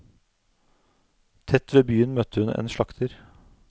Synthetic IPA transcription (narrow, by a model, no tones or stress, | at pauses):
t̪ʰɛt̪ʋeːbyːənmœt̪əhʉnḛːnʃɭɑkt̪ʰəɾ